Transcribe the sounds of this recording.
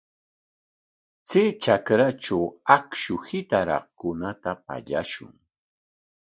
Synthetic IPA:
t͡sɪt͡ʃakɾat͡ʃawakʃʊhɪt̪aɾɑ̰χkʊnat̪apa̰ʎa̰ʃʊ̰ŋ

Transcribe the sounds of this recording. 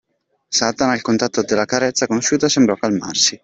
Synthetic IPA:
sat̪anailkont̪at̪ːod̪elːakaɾɛt̪sːakonoʃːuːt̪asembɾɔkːalma̰rsi

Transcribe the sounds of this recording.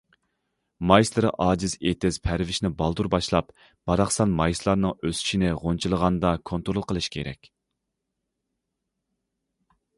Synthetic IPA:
mɑjslˠɨɾɨʔɑːd͡ʒɪzet̪ʰɪz̥pʰæɾvɪʃnɪbɑlˠd̪uɾbɑʃlˠɑp | b̥ɑɾɑχsɑnmɑjslˠɑɾnɨŋøsy̥ʃinɪʁont͡ʃʰilˠəʁɑnd̪ɑkʰont̪ɾolˠqʰəlˠɨʃkʲʰeɾɛ̰kʲ

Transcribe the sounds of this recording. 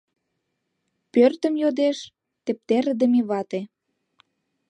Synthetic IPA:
pørt̪ə̆mjod̪eʃ | t̪ĕp̚t̪eɾəd̪ə̆meβɑt̪e

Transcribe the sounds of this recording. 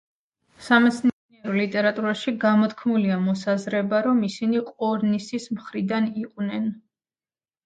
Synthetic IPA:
samɛt̪sʰnniɛɾɔlit̪ʼɛɾat̪ʼuɾaʃiɡamɔt̪kʰmuliamɔsazɾɛbaɾɔmisiniqʼɔɾnisismχɾid̪aniqʼwnɛn

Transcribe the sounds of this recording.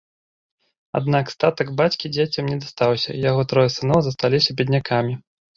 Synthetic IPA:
a̰d̪nakst̪at̪ɐɡbat͡sʲkʲid͡zʲat͡sʲɐmnʲɛd̪ɐst̪awsʲɐ̰ijaɣɔt̪ɾɔjɛsɨnɔwzɐst̪alʲisʲɐbʲɛd̪ʲnʲakʰamʲi

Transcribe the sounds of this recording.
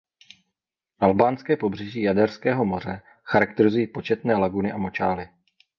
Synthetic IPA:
ʔalbaːnskɛːpo̞br̝ɛʒiːjadɛrskɛːɦo̞mo̞r̝ɛ | xaɾak̚t̪ɛɾɪzujiːpo̞t͡ʃɛt̪nɛːlaɡunɪʔamo̞t͡ʃaːlɪ

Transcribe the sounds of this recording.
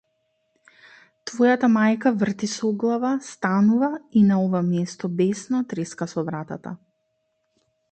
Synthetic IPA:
t̪vɔjat̪amajkavr̩t̪isɔɡlˠavast̪anuvainaɔvamjɛst̪ɔbɛsnɔt̪ɾɛskasɔvɾat̪a̰t̪a̰

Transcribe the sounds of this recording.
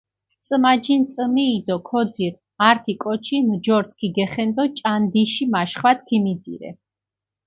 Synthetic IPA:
t̪sʼmad͡ʒint̪sʼmiːd̪ɔkʰɔd̪ziɾ | aɾt̪ʰikʼɔt͡ʃʰind͡ʒɔɾt̪ʰkʰiɡɛχɛnd̪ɔt͡ʃʼand̪iʃimaʃχwat̪̚ʰkʰimid̪zḭɾɛ̰

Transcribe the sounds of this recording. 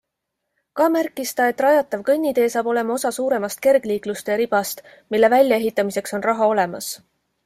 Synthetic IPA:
kɑmærkːˑist̪ɑe̞t̪ːˑrɑjɑt̪ːˑɑvkɤnʲːid̪e̞ːsɑːbo̞le̞mɑo̞sɑsuːɾe̞mɑst̪̚ke̞rɡ̥liːklust̪e̞ɾib̥ɑst̪ | milːe̞vælʲjɑe̞ɦit̪ːˑɑmise̞kso̞nrɑɦɑo̞le̞mɑs

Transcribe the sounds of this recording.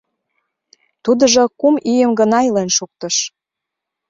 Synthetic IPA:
t̪ud̪ə̆ʒokumijəmɡənɑjlenʃuk̚t̪ə̆ʃ

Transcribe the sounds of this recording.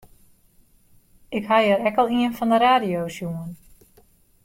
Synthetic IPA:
ɪkɦajəɾɛkɔlˠiənfɔndəɾaːdijowsjuən

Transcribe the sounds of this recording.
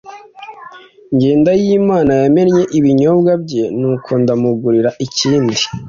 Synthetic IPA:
ŋɟe̞ːndajimaːnajame̞ɾɲe̞ʔiβiɲo̞bɡabɟe̞nuːkʰo̞ndamuɡuɾiɾaʔiciːndi

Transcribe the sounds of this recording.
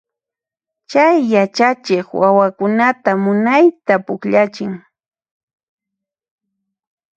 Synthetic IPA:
t͡ʃajːat͡ʃat͡ʃɪkwawakʊnat̪amʊnajt̪apʊkʎat͡ʃɪŋ

